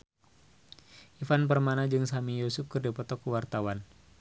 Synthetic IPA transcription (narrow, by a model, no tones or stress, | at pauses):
ʔifanp̬ərmanad͡ʒɨŋsamijosufkɨrdipɔt̪ɔkəwart̪awan